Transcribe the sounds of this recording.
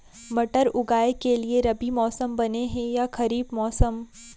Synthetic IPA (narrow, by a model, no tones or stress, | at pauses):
mɐʈəɾʊɡaːekelieɾɐbimɔːsəmbɐneɦɛ̃jaxɐɾiːbmɔːsəm